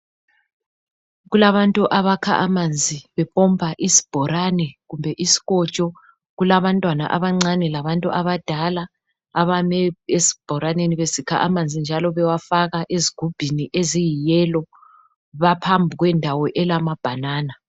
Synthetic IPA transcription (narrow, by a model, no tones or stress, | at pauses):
ɣulaβantʼuʔaβakʰaʔamand͡zʱiβɛβɔmbʱaʔisi̥b̥ʱɔɾanɛɣumbʱɛʔisi̥ɣɔt͡ʃʼɔ | ɣulaβantʼwana̰ʔaβaŋ͡ǀanɛlaβantʼuʔaβad̥ʱalaː | βamɛesi̥b̥ʱɔɾaneniβesikʰa̰ʔamand͡zʱind͡ʒʱalɔβɛwafaɣaʔeziɡ̥ʱub̥ʱiniʔezijijɛlɔ | βapʰambʱiɣwɛndʱawɔʔɛlamab̥ʱanaːna